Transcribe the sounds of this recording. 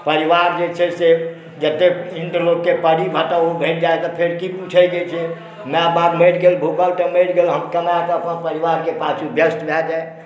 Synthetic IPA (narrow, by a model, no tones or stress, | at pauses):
pəɾiʋaɾd͡ʒet͡ʃʰɛse | d͡ʒət̪ːeiɳɖloɡkepəɽibʱəʈəobʱəʈd͡ʒaet̪ɔpʰeɾkikut͡ʃʰəɡet͡ʃʰɛ | meabad̪meʈɡelbʱupəlʈəmeʈɡelɦəmkəmat̪ɔəpənpəɾiʋaɾkepat͡ʃʰubjəsʈbʱjad͡ʒae